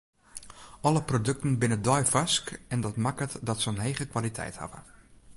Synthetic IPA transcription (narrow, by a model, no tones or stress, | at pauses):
ɔləprodɵk̚tən̩bɪnədɔjfaskɛndɔtmakətdɔtsəənɦeːɣəkʋalitʰɛ̰jtha̰və̰